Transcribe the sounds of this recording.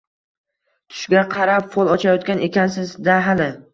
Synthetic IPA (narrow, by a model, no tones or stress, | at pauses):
t̪ʰʊ̥ʃɡʲaqʰɑɾapfolˠɒt͡ʃʰajɒt̪̚kʲane̞kʲansɪzd̪aɦalɪ